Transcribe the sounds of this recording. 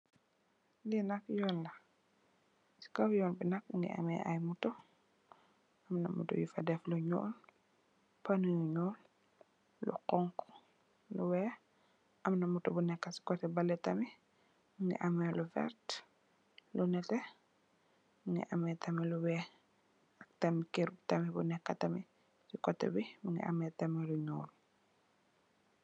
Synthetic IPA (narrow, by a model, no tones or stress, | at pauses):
linakjɔlːɐ | si̥kawjɔːnbinakŋɡḭʔa̰mɛ̰ʔa̰jmutɔ | ʔɐmna̰mṵtɔ̰jufadɛfluɲɔ̰ːl | panujuɲɔl | lṵqɔŋk | luwɛː | ʔɐmnɐmutɔbunɛkːɐsi̥kɔtɛbɐlːɛtɐmi | məŋɡḭʔɐmɛlufɛ̰ɾt | lunɛtɛ | məŋɡḭʔɐmɛtɐmiluwɛː | ɐk̚tɐmikeɾuptɐmibunɛkːɐtɐmi | sikɔtːɛ̰bimuŋɡḭʔɐ̰mɛːtɐmɛluɲɔ̰ːl